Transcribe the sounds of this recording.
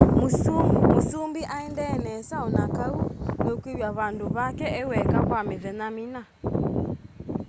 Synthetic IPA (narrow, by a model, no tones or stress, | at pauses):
musumusumbiʔaɛndɛːnɛsaɔnakaunɛukwiβjaβanduβakɛɛwɛkakwamɛðɛnamina